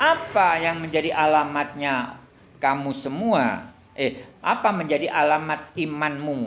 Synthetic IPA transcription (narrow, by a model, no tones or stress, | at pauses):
ʔapajaŋməɲd͡ʒadiʔalamat̪̚ɲa | kamusəmua̰ | ɛhʔa̰paməɲd͡ʒadiʔalamat̪̚imanmu